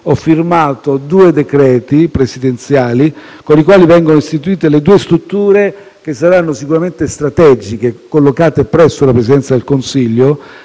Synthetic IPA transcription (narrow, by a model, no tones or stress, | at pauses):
ɔfːirmaːt̪od̪uːed̪ekɾɛːt̪ipɾesid̪ent̪sjaːli | konikwaːlivɛŋɡonoist̪it̪uiːt̪eled̪uːest̪ɾut̪ːuːɾe | k̟esːaɾanːosikuɾament̪est̪ɾat̪ɛːd͡ʒik̟ekːolːokaːt̪epɾɛsːolapɾesid̪ɛnt̪sad̪elkonsiʎːo